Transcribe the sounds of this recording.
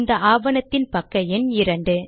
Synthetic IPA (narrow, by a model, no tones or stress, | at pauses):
nd̪ɐʔaːʋɐnɐt̪ːɪnpɐkːɐɛnɪɾɐɳɖɯ